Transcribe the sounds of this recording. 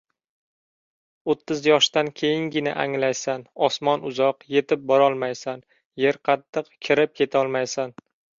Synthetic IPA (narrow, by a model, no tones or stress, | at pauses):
ot̪ʰːɪzjɒʃt̪ankʲʰe̞jɪŋɡʲɪnɪ̰ʔaŋlajsanɒsmɒnʊzɒqje̞t̪ʰɪp̚bɒɾɒlˠmajsan | je̞ɾqʰɑt̪ʰːɨqkʲʰɪɾɪp̚kʰe̞t̪ʰaɒlˠmajsan